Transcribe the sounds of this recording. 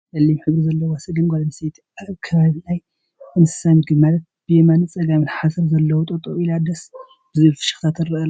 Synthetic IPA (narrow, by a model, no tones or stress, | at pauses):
lɐlːimħɨβɾizɐlːɐwasɐɡɨnɡolɐnset̪ʰʔaβkʰɐβaβilaj | ɨnɨ̥samɡɨmalɐt̪̚ | b̥ɨjemanɨt͡sʼɐɡamɨnħasɐɾzɐlːɐwot̪ʼot̪ʼoʔilad̪ɐs | b̥ɨzufɨ̥ʃɨ̥xt̪ʰat̪ʰɨɾːɐla